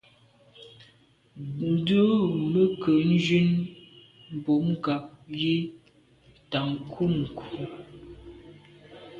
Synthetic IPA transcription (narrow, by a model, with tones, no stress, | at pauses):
də˦bə˦kə˨n̩˦d͡ʒi˦n | m̩˨bo˨˦m˦ɡa˨p̚ji˦ | ta˨ŋ˨kʰu˦˨mŋ̩˨kʰu˨˦